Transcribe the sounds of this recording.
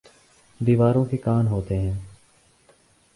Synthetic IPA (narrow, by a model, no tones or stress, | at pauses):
d̪iːʋaːɾõːkekaːnɦoːt̪eːɦɛ̃ː